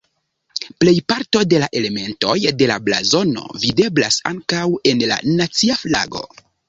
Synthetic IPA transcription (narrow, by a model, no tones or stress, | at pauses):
ple̞jpaɾto̞de̞laʔe̞le̞me̞nto̞jde̞labla̰zo̞no̞̰vide̞bla̰sa̰ŋkawe̞nla̰nat͡siafla̰ɡo̞̰